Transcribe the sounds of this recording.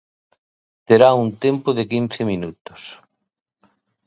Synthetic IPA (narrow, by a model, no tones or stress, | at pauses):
t̪eɾaunt̪empʊðekin̟θeminut̪ʊ̥s